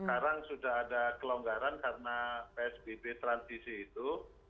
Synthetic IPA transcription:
əkaɾaŋsudaɦadakəloŋɡaɾankaɾənapeɛsbebet̪ɾansisiːt̪u

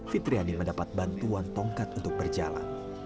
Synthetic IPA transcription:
fit̪ɾianiməndapat̪̚bant̪uant̪ɔŋkat̪unt̪ʊk̚bərd͡ʒa̰la̰n

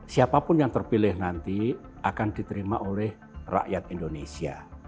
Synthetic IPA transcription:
siapapʊnjaŋt̪ərpilɪhnant̪i | akand̪̥it̪əɾimaʔolɛh | ra̰ʔjat̪indonesia

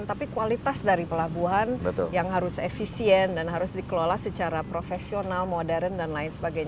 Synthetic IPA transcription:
nt̪apikualit̪asdaɾipəlabuɦanbət̪ʊ̰ljaŋɦaɾʊsefisiɛndanɦaɾʊsdikəlolahsət͡ʃaɾapɾofesionalmodɛɾəndanlaɪnsəbaɡajɲa

